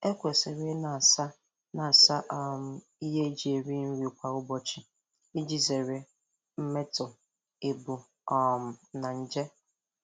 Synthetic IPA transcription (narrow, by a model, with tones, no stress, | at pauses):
e˦kʷe˨se˨ɾe˦na˨sa˦ | na˨sa˦ʔɔ˦˨m̩˨ | i˦ɦe˦d͡ʒi˨˦e˨ɾi˦n̩˦ɾi˨kʷa˨ʊ˦bɔ˦t͡ʃi˨ | i˦d͡ʒi˨ze˨ɾe˨ | m̩˦me˦tʊ˨ | e˨bu˨ | ɔ˨m̩˨na˨n̩˦d͡ʒe˦